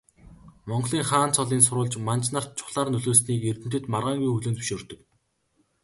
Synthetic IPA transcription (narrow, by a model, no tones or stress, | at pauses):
mɔɴɢɮiːŋχaːnt͡sʰɔɮiːns̬ʊɾʊːɮt͡ɕmant͡ɕnar̥t̪̚t͡ɕʰʊ̥χɮaːrnɵɮoːsniːkert̪ɘ̆nt̪ɘ̆t̪marʁaːŋɡujxɵɮoːnʰɵ̥ʃoːrt̪ɵ̆k